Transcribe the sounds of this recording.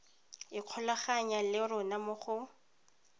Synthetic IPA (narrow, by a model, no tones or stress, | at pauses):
ɪq͡χʰɔlaχaɲalɪrʊnamʊχʊ